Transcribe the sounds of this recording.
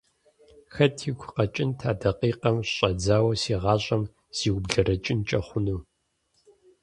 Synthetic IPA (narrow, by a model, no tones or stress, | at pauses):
xɐtʰiɡʷʰqɐt͡ʃʼɪntʰaːdɐqiːqɐmɕɕʼɐd͡zaːwɐsiːʁɑːɕʼɐm | z̥iːwbɮɐɾɐt͡ʃʼɪnt͡ʃʼɐχʷʊnuː